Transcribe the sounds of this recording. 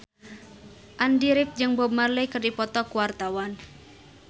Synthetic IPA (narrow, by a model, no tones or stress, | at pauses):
ʔandiɾɪp̚d͡ʒɨŋbɔb̚marlekɨrdipɔt̪ɔkuwart̪awan